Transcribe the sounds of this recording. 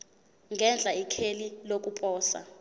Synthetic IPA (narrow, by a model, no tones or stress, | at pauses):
ŋɡʱɛnd͡ɮʱaikʰelilok̬ʼupʼɔːsa̰